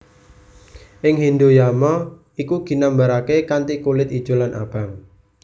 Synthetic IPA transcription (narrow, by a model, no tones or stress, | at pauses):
ʔɪŋɦind̪ojamɔ | ikuɡ̥i̤nambaɾakekant̪ikulɪt̪id̥ʒ̥o̤lanʔa̰b̥a̤ŋ